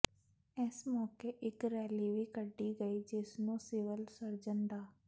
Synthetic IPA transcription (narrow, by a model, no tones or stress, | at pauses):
ɪsmɔːkeʔɪkɾɛːliʋiːkəɖːiːɡəiːd͡ʒɪsnũːsɪʋəlsəɾd͡ʒənɖ̪aː